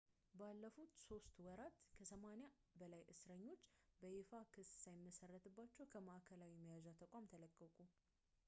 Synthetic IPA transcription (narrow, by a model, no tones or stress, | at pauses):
balːəfut̪so̞st̪wɔɾat̪kʰəsəmanja | bəlajʔɨsɾəɲːo̞t͡ʃːbəʔefakʰɨssajɪmːəsərːət̪ʰɨbːat͡ʃːɛwkʰəmaʔakʰəlawiməjazat̪ʰəkʼamt̪ʰələkʼːəkʼu